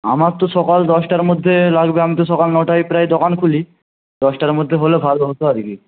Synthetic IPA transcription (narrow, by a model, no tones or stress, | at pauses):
a̰maɾt̪oʃɔkald̪ɔsʈaɾmod̪ʱːelaɡbeamit̪oʃɔkalnɔʈajpɾajd̪okankʰuli | d̪ɔsʈaɾmod̪ʱːeɦolebʱalbaot̪oaɾki